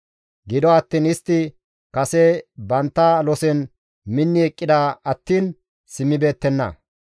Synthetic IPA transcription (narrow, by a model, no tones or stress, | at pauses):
ɡɪd̪ɔɐt̪ːiːnɪst̪ːɪ | kɐsɛbɐnt̪ːɐlɔsɛn | mɪnːɪɛkʼːɪd̪aːɐt̪ːiːn | sɪmːɪbe̞ːt̪ːɛnːɐ̰